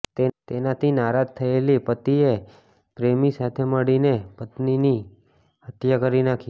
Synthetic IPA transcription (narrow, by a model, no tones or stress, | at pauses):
t̪et̪enat̪ʰinaɾad͡ʒt̪ʰəelipət̪ie | pɾemisat̪ʰeməɽinepət̪nini | hət̪jakəɾinakʰi